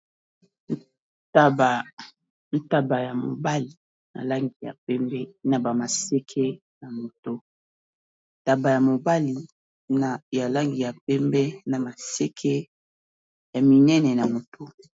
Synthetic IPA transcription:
ta˦ba˨ | n̩˦ta˦ba˨ja˨mo̰˨ba˦li˨ | na̰˨la˦ŋɡi˨ja̰˨p̚ɛ˦mbɛ˦na˨ba˨ma˨sɛ˦kʰe˦ | na˨mo˨to˦ | n˦ta˦ba˨ja˨mo˨ba˦li˨ | na˨ja˨la˦ŋɡi˨ja˨p̚ɛ˦mbɛ˦na˨ma˨sɛ˦kʰɛ˦ | ja˨mi˨nɛ˦nɛ˨na˨mo˨tʰo˦

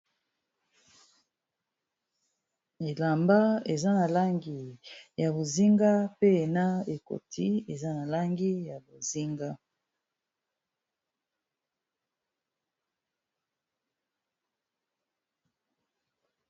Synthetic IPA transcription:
e˨la˨mba˦e˨za˦na˨la˦ŋɡi˨ja˨bo˨zi˦ŋɡa˦pe˦e˨na˦e˨ko̰˨tʰi˦e˨za˦na˨la˦ŋɡi˦ja˨bo˨zi˦ŋɡa˦

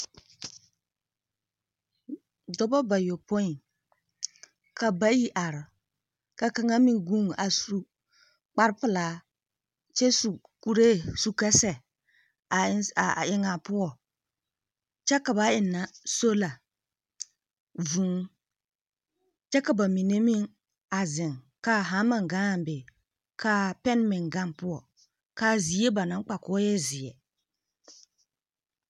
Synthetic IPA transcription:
dɔ˦bɔ˦ba˨jo˨pɔ˦ɪ˨ | ka˨ba˦ji˦ʔa˨ɾɪ˨ | ka˨ka˨ŋa˦mi˨ŋɡu˦ŋ˨a˨su˨ | k͡pa˦ɾpɨ˨laː˨˦ | t͡ʃɛ˦su˨ | ku˦ɾeː˦su˨kɛ˦sɛ˨˦˨ | ɪ˦ŋa˨pʊ˦ɔ˨ | t͡ʃɛ˦ka˨ba˨˦ɪ˨nːa˨so˦la˨ | vu˨ŋ | t͡ʃɛ˦ka˨ba˨mi˨ne˦mɪ˦ŋ | a˨zɪ˨ŋ | kaː˦ɦa˨˦ma˨ŋɡa˦˨m˨bɪ˨ | kaː˦pɛ˦n˦mɪ˨ŋɡa˦npʊ˦ɔ˨ | kaː˦zi˨˦e˦ba˨nã˨ŋ˦k͡pa˨kɔ˨˦ɔ˦jɛ˦zɪ˨ɛ˨

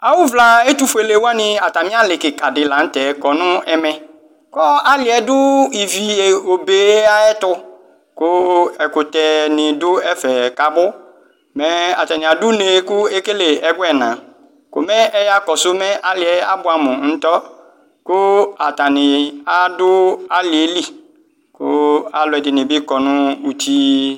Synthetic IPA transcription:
a˨wʊ˦vla˨e˦t̪u˨fe˨le˨wa˦nɪ̃˨a˨t̪a˨mĩ˦a˦lɪ˨kɪ˨ka˨dɪ˨lã˨˦n̩˦t̪ɛ˨kɔ˨nʊ̃˦ɛ˦mɛ̃˨ | kɔ˦a˦lɪ˨ɛ˨dʊ˦i˨vi˨e˨o˨be˨˦a˦ɛ˦t̪ʊ˦ | kʊ˦ɛ˨kʊ˨t̪ɛ˨nɪ̃˨dʊ˦ɛ˦fɛ˨ka˨bʊ˦ | mɛ˦a̰˨t̪a˨nɪ̃˨a˨dʊ˦ne˨˦kʊ˦e˦ke˦le˨ɛ˨ɡʊ˦ɛ˨nã˨ | kʊ̰˨mɛ̃˦ʔɛ˦ja˦kɔ˨sʊ˦mɛ̃˦ʔa˦lɪ˨ɛ˨˦a˦bʊ˦a˨mʊ̃˨n̩˦t̪ɔ˦ | kʊ˦a˨t̪a˨nɪ̃˨a˦dʊ˦a˦lɪ˨e˨˦li˦ | kʊ̰˦a˨lʊ˨ɛ˨dɪ˨nɪ̃˨bɪ˦kɔ˨nʊ̃˦u˨t̪ʰi˦

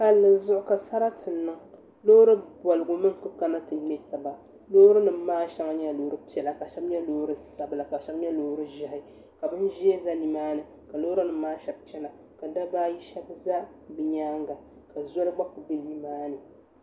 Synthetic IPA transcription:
ka˨lːɨ˨zʊ˦ʔʊ˦ka˨sa˦ɾa˦tɨ˨nːɨ˦ŋ | lo˦ɾɨ˦bɔ˨lɨ˨ɡʊ˨mɨ˦ŋ˨kɨ˦ka˦na˦tɨ˨˦ɛ˦ta˨ba˨ | loː˦ɾɨ˦nɨ˨m˦maː˦ʃɛ˦ŋa˦ɲɛ˦loː˨˦ɾɨ˦pi˨ɛ˨la˨ka˨ʃɛ˦bɲɛ˦loː˦ɾɨ˦sa˨bɨ˨la˨ka˨ʃɛ˦bɲɛ˦loː˦hɾɨ˦ʒɪ˨hɪ˨˦ | ka˨bɨ˦nʒi˦e˦za˦ni˦maː˦nɨ˨ | ka˨loː˦ɾɨ˦nɨː˨˦aː˦ʃɛ˦bt͡ʃɛ˦na˨ | ka˨da˦baː˦ji˦ʃɛ˦bza˦bɨ˨ɲaː˦ŋɡa˨ | ka˨za˦lɨ˦ɡ͡ba˦ku˨be˦lni˦maː˦nɨ˨

